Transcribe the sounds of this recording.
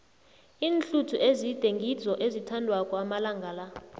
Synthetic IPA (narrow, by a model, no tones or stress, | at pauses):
iːnɬutʰuʔezid̥ʱeŋɡʱi̥zɔʔezitʰandʱwakʼwamalaŋɡʱaːla